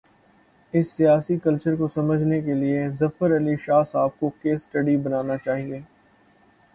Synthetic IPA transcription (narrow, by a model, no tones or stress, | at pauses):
ɪsːijaːsikɐlt͡ʃəɾkosɐməd͡ʒʱnekeliezɐfəɾɐliʃaːsaːb̚kokeːsːʈɐɖibɐnaːnat͡ʃaːɦieː